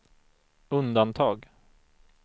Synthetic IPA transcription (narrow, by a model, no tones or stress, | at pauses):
ɵnd̪ant̪ʰɑːɡ